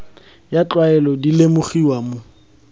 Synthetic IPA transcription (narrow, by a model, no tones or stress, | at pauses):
jat͡ɬwaɛlɔdilemʊχiwamʊ